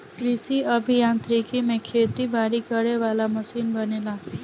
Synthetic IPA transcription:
kɾisiəbʱijãnt̪ɾikʰimẽkʰet̪ibʱaɾikəɾeʋalaməsinbənela

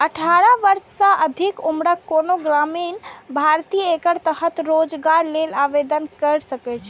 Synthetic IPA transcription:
əʈʰaɾəʋəɾssə̃ʔəd̪ʱikumɽəkːonoɡɾaminbʱaɾt̪ijəekəɾt̪əɦət̪ɾod͡ʒɡaɾlelaʋed̪ənkəɾsəkɛt͡ʃʰ

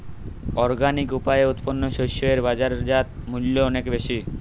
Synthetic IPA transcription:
ɔɾɡanikupaeut̪ponːoʃojʃoeɾbad͡ʑaɾd͡ʑat̪̚muljoɔnekbeʃi

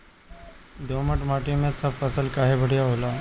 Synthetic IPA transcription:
d̪oːməʈmaːʈijõmẽsɐbfɐsəlkaːɦebɐɽ̤jaɦoːlaː

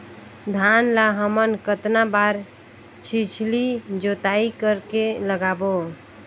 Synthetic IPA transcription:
d̪ʱanlaɦəmənkət̪nabaɾ | t͡ʃʰit͡ʃʰlid͡ʒot̪aikəɾkeləɡabo

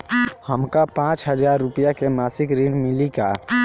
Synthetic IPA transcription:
həmkapãːt͡ʃɦəzaːɾːʊpijakemaːsɪkɾĩːɳmɪlikaː

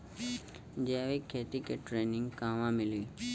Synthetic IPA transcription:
d͡ʒeaʋikʰːeːt̪ikeʈɾeːnɪ̃ŋɡkãːʋãːmɪli

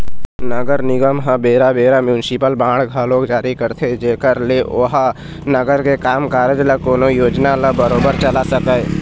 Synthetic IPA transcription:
nəɡəɾnɪɡəmɦə̃beːɾabeːɾamjuːnsɪpəlbãːɽ̤ɡʱəloːɡd͡ʒaːɾikəɾt̪ʰed͡ʒeːkəɾleoɦ | nəɡəɾkekaːmkaːɾd͡ʒləkoːnojoːd͡ʒnaləbəɾoːbəɾt͡ʃəlasəkəj

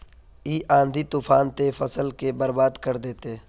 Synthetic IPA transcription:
iːʔãːnd̪ʱit̪uːfʰaːnt̪efɐsəlkebɐɾbaːd̪kɐɾd̪eːt̪e

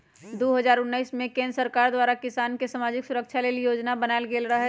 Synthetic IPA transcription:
d̪oːɦəzaːɾʊnːəɪsmẽkẽːnd̪ɾəsəɾkaːɾd̪waːɾakɪsaːnkesamaːd͡ʒɪksʊɾəkʃʰaleːlijoːd͡ʒnabənaːlɡeːlɾɐɦ

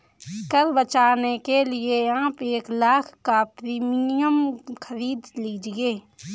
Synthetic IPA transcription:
kəɾbət͡ʃaːnekelɪeãːpeːklaːkʰkapɾiːmiijəmkʰəɾiːd̪liːd͡ʒɡeː

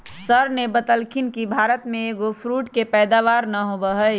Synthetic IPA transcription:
səɾnebət̪əlkʰɪnkibʱaːɾət̪mẽeːɡopʰɾuːʈkepɛːd̪aːʋaːɾnəɦobəɦə

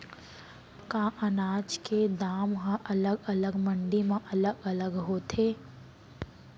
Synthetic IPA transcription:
kãːʔənaːt͡ʃked̪aːmɦãʔɐləɡɐləɡmə̃ɳɖimãʔɐləɡɐləɡɦoːt̪ʰeː

